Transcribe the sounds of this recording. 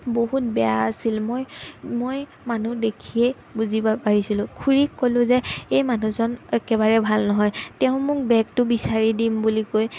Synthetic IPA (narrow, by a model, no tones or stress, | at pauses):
boɦut̚bɛjaːsilmojmoj | manudekʰiɛ | buzibapaɹisilʊ̃kʰuɹikːolʊ̃zɛejmanuzɔnɛkɛbaɹɛbʱalnɔɦɔjtɛʊ̃mʊk̚bɛk̚tʊbisaɹidimbulikoj